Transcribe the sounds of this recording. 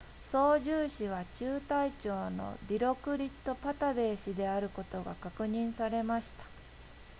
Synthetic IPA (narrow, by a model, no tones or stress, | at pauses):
so̞ːʑɨːɕiβ̞at͡ɕɨːt̪ait͡ɕo̞ːno̞̰ɾʲiɾo̞kɯ̟ɾʲit̪ːo̞pat̪abe̞ːɕid̪e̞aɾɯ̟ko̞t̪o̞ɡakakɯ̟ɲ̟ĩɰ̃saɾe̞maɕi̥t̪ḁ